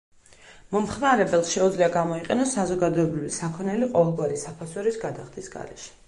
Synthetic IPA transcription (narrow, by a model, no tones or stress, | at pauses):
mɔmχmaɾɛbɛlˠsʃɛud̪zliaɡamɔiqʼɛnɔsːazɔɡad̪ɔɛbɾivisakʰɔnɛliqʼɔvɛlˠɡwaɾisapʰasɔɾisɡad̪aχd̪isɡa̰ɾɛ̰ʃɛ̥